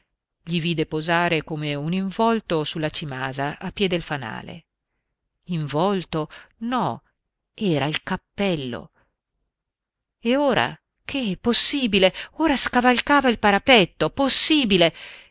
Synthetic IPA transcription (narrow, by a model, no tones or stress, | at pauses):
ʎiviːd̪epozaːɾekoːmeuniɱvɔlt̪osulːat͡ʃimaːzaʔapːjɛːd̪elfana̰ːlḛ | iɱvɔlt̪onɔ | ɛːɾailkapːɛlːo̰ | eoːɾa̰ | kʰeposːiːbileoːɾaskavalkaːvailpaɾapɛt̪ːoposːiːbile